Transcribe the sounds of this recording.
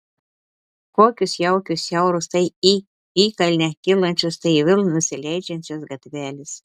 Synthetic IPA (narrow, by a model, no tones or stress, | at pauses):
koːkʲʊsjɛwkʲʊsʲjɛwɾʊst̪ɐji | ikɐlʲnʲɛkʲilˠɐnʲt͡ʃʲʊst̪ɐɪʋʲɪlˠnʊsʲɪlʲæjd͡ʒʲɛnʲt͡ʃʲosɡɐt̪ʲvʲæːlʲɪs